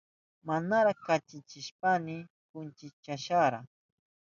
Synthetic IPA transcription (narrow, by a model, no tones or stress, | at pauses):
manaɾakat͡ʃɪt͡ʃɪʃpanɪ | kʊnt͡ʃɪt͡ʃaʃaɾa̰